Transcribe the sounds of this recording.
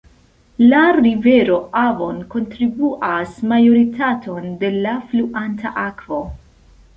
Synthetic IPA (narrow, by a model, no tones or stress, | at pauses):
laɾive̞ɾo̞ʔavo̞nko̞ntɾibuʔasmajo̞ɾitʰatʰo̞nde̞lafluʔanta̰ʔakvo̞